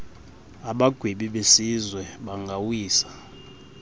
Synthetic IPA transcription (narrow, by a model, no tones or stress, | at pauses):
aɓaɡ̥ʱweɓiɓesizwɛɓaŋɡʱawiːsḁ